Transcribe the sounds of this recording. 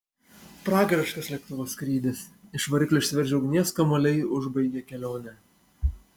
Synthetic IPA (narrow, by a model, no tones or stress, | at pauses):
pɾɑːɡɾʲɐʃkɐslʲɛk̚t̪ʊʋoːskɾʲiːd̪ʲɪsɪʃʋɐɾʲɪklʲoʃʲsʲʋʲɛɾʲd͡ʒʲɛʊɡʲnʲiɛskɐmoːlʲɛɪʊʒbɐɪɡʲɛkʲɛlʲoːnʲɛ